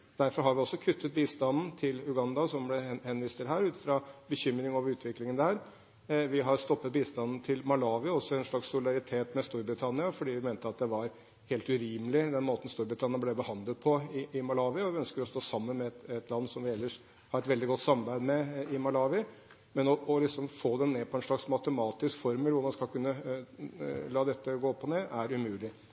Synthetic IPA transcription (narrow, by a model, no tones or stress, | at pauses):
d̪̥æɾfɔɾɦɑɾʋɪɔsːɔkʰʉt̪ʰːət̪̚biːst̪ɑnn̩t̪ʰɪlʉɡɑnd̪ɑsɔmblɛhɛnʋiːst̪ʰɪlɦæːɾʉːt̪fɾɑbəçʏmːɾɪŋɔʋɾʉːt̪ʰʋɪklɪŋənd̪æːɾ | ʋɪɦɑɾst̪ɔpːət̪̚biːst̪ɑnn̩t̪ʰɪlmɑlɑːʋɪɔsːɔɛnʂɭɑksːʊlɪd̪ɑɾɪt̪ʰeːt̪mɛst̪uːɾbɾɪt̪ʰɑnɪɑfɔɖiːʋɪmeːnt̪əɑt̪̚d̪ɛʋɑɾ | heːlt̪ʉɾiːməlɪd̪ɛnmoːt̪n̩st̪uːɾbɾɪt̪ʰɑnɪnblɛbəhɑnd̪ləd̪̚pʰɔɪʔɪmɑlɑːʋɪəɔʋɪœnskəɾɔst̪oːsɑmːənmɛɛt̪ɛt̪ʰlɑnːsɔmʋɪɛlːəʂ | hɑɾɛt̪ʋɛld̪ɪɡɔt̪ːsɑmɑbæɪd̪mɛɪmɑlɑːʋɪ | mɛnɔʔɔlɪksɔmfoːd̪ɛnneːpʰɔɛnʂɭɑksmɑt̪əmɑːt̪ɪskfɔɾmɪlʋʊɾmɑnskɑlkʉnːə | lɑːd̪ɛt̪ːəɡoːpʰːɔneːʔæɾʉmʉːlɪ